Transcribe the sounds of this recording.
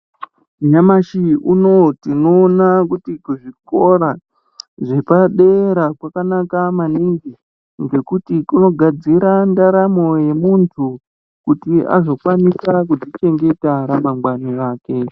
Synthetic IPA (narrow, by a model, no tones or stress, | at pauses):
ɲamaʃiuno̞tino̞ːnakutikuʐiko̞ɾa | ʐe̞paɗeɾakwakanakamaniŋɡi | ŋɡe̞kutikuno̞ɡʱad͡ziɾandaɾamo̞je̞muntʰu | kutia̰zo̞kwanisak̬udit͡ʃe̞ŋɡe̞taɾamaŋɡwaniaːke̞